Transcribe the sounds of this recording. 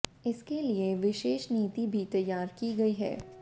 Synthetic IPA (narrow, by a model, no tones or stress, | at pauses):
ɪskelieʋɪʃeːʃniːt̪ibʱit̪ɐjːaːɾkiɡɐiɦɛ̰ː